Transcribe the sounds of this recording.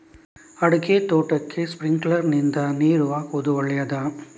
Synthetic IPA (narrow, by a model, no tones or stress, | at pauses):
ɐɽukeːt̪oːʈːɐkʰːespɾiŋɡɭɐɾnind̪ɐniːɾuʋaːkɔd̪uʋɐɭːɐjad̪a